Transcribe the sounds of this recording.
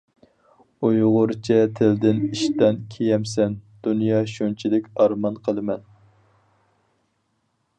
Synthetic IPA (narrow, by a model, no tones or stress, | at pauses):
ujʁʊɾt͡ʃʰɛt̪ʰɪld̪ɪniʃt̪ɛnkʲʰejɛmsɛnd̪̥unjɑːʃunt͡ʃʰid̪ɪkʲɑɾmɑnqʰəlˠɨmɛn